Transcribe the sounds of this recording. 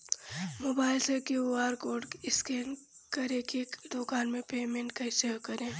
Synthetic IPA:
moːbaːɪlsekeoaːɾkoːɖɪskeːnkɐɾẽkekd̪okaːnmẽpeːmẽɳʈkɐɪsekɐɾẽː

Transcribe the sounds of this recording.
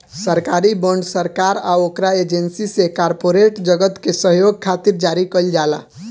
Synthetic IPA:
səɾkaɾibəɳɖsəɾkaɾaokɾaed͡ʒensisekaɾpoɾeʈd͡ʒəɡət̪kesəɦjoɡ̚kʰat̪iɾd͡ʒaɾikəld͡ʒala̰

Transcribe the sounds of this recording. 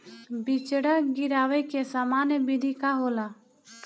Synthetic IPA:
bit͡ʃəɽaːɡɪɾaːʋekeːsaːmaːnjebid̪ʱikaːɦoːlaː

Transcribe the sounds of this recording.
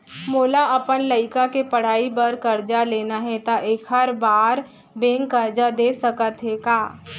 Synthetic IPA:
moːlaʔɐpənləɪkakepəɽ̤aːibəɾkəɾd͡ʒaleːnaɦɛt̪aʔekʰɦəɾbaːɾ | bẽːŋkːəɾd͡ʒad̪eːsəkət̪ɦɛkaː

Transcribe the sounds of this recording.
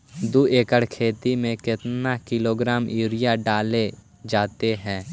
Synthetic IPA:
d̪uːeːkəɽkʰeːt̪imẽkɪt̪nakɪloːɡɾaːmiːɾɪjaɖaːle | d͡ʒaːt̪eɦɛ̃ː

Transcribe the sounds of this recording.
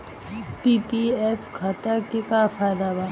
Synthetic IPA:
pipiefkʰat̪akekafajd̪aba

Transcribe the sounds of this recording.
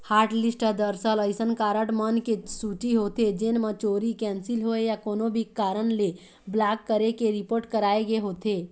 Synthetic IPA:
haːɾʈlisʈəd̪əɾsələɪsənkaːɾəʈmənkesuʈiɦoːt̪ed͡ʒenmət͡ʃoːɾikɛːnsilɦoejakoːnobʱikaːɾənle | blakːəɾekeɾipoːɾʈkəɾaːeɡeɦoːt̪e

